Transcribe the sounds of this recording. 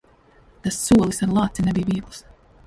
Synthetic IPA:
t̪asːuɔlˠisaɾlˠaːt̪sinɛbiːviːɡlˠs

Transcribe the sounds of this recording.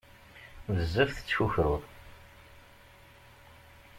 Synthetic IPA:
vəzːəfθt͡sːçuçɾʊðˤ

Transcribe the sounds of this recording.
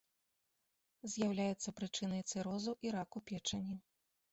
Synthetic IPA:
zʲjawlʲajɛt̪sːɐpɾɨt͡ʂɨnɐjt̪sɨɾɔzuʔiɾakupʲɛt͡ʂɐnʲi

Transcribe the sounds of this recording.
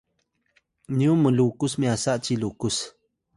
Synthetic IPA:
niumːəlukusmiasaʔt͡ʃilukus

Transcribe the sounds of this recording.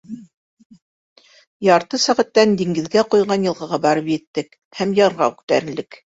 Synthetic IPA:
jɑɾt̪ɤsæʁæt̪ːænd̪iŋɡɘ̆ðɡæqujʁɑnjɤ̆lˠʁɑ̆ʁɑbɑɾɤpjɘ̆t̪ːɘk | hæmjɑɾʁɑ̰ʉk̚t̪æɾɘ̆nlɘk

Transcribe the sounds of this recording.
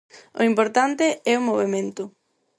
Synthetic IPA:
ʊ̰impoɾt̪ant̪ɪɛʊmoβemẽnt̪ʊ

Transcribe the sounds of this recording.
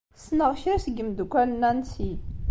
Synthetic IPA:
snəʁçɾæsəɡəmd̪ukʷːælənænsi

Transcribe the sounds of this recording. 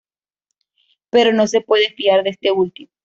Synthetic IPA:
pe̞ɾo̞no̞se̞pwe̞ðefiaɾðeest̪e̞ult̪imo

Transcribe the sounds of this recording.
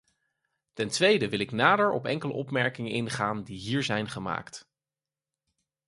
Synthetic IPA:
tɛntʋejdəʋɪlɪknaːdəɹɔ̰pɛ̰ŋkələ̰ʔɔpmɛɹkɪŋənɪnχaːndiɦiːɹzɛjnχəma̰ːkt

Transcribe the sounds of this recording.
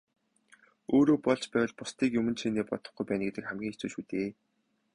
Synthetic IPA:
oːɾoːpɔɮt͡ɕpæːwə̆ɮpʊst̪iːkjɵmɵ̆nt͡ɕʰeːneːpɔ̰t̪ɞ̆χɡujpæːnɡet̪ɘ̆kχæmɡʲiːŋet͡suːʃuːt̪eː

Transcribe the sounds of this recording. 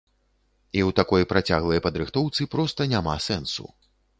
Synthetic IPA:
iwt̪akɔjpɾat͡sʲaɣlˠɐjpɐd̪ɾɨxt̪ɔwt̪sɨpɾɔst̪ɐnʲamasɛnsṵ

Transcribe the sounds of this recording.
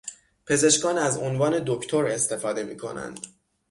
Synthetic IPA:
pʰe̞ze̞ʃkɒːnæzonvɒːne̞d̪okʰt̪ʰo̞ɾe̞st̪e̞fɒːd̪e̞mḭːkʰo̞̰næ̰nd̪̥

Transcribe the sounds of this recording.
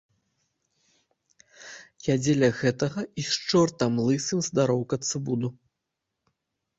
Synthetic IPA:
jʲad͡zʲɛlʲɐɣɛt̪ɐɣɐiʃt͡ʂɔrt̪ɐmlˠɨsɨmzd̪aɾɔwkɐt̪sɨbud̪u

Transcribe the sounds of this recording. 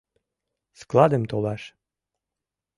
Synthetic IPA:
sklˠɑd̪əmt̪olɑʃ

